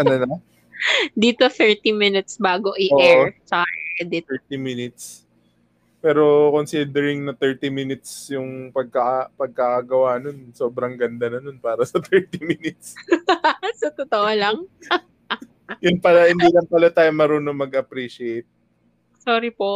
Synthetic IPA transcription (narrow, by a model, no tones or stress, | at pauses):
ʔɐnonɐ | d̪iːt̪oθɛɹt̪imɪnɪt̪sbaːɡo̞ʔɪʔoːɛt͡ʃad̪ɛɛɹt̪iminɪt̪̚s | pɛːɾo̞konsid̪ɛɾɪŋnɐt̪ɛɹt̪iminɪt̪̚sjʊŋpɐɡ̚kɐpɐɡ̚kakɐɡɐwano̞nso̞ːbɾɐŋɡɐnd̪anɐno̞npaːɾɐsɐt̪ɛɹt̪imɪnɪt̪̚s | sɐt̪ot̪oʔolɐŋ | jʊnpɐlahɪnd̪ilɐmpɐlat̪aːjomɐɾoːnoŋmɐɡʔɐpɾiʃɪejt̪̚ | soːɾipoʔ